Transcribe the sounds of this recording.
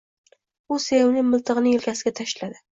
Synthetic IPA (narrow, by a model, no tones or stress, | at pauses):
ʊsejownɪŋmɪlˠt̪ʰɨʁɨnɪŋlkʲasɪɡʲat̪ʰaʃlad̪ɪ